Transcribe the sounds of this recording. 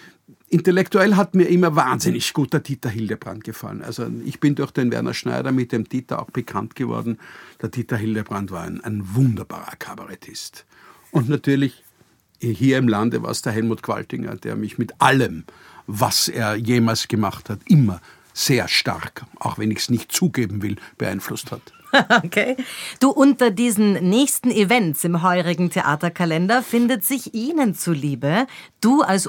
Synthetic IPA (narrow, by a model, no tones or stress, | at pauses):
ʔɪntɛlɛktuɛlɦatmiːɐʔɪmɐvaːnzɪnɪçɡ̥uːt̚d̥eːɐtʰitɐɦɪldəb̥ʁa̰nt̚ɡ̥əfa̰lənʔa̰lzoɪ̰çb̥ɪndʊɐxd̥envɛ̰ɐnʔɐ̰ʃnæ̰ɪɾɐmɪt̚d̥emtʰitɐʔa̰ʊxb̥əkʰantɡ̥əvɔ̰ɐdn̩d̥eːɐtʰitɐɦɪldəbʁantvaːɐ̰ɪnæɪnvʊndɐb̥a̰ːʁɐ̰kʰabaʁɛtʰɪst | ʊntnatʰyːɐlɪç | hiːɐɪmlandəva̰ːɐsd̥eɐɦɛlmuːtkʰv̥a̰ltɪŋɐ̰d̥ḛːɐmɪçmɪtʔaləm | vaseːɐjeːmaːlsɡ̥əmaχthatʔɪmɐ | z̥eːɐʃta̰ʁkʰʔa̰ʊxvɛnɪçsnɪçt̚t͡suːɡeːbm̩vɪlb̥əʔaɪnflʊsthat | okʰeːd̥uːʔʊntɐdiːzn̩nɛːçstn̩ivɛntsɪmɦɔʏʁɪɡŋ̩tʰeʔaːtɐkʰalɛndɐfɪndətz̥ɪçʔiːnənt͡suliːbəd̥uːals